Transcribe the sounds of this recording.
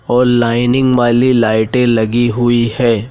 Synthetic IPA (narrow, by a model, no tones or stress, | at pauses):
ɔːɾlaːɪnɪ̃ŋɡʋaːlilaːɪʈẽlɐɡiɦʊihɛː